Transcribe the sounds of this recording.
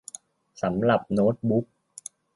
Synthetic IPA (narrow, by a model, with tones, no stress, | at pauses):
sa˧˩˦mla˨˩p̚no˦˥t̚ɓu˦˥k̚